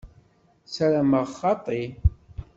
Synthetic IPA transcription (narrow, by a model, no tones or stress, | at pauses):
sæɾaməʁχɑt̪ˤi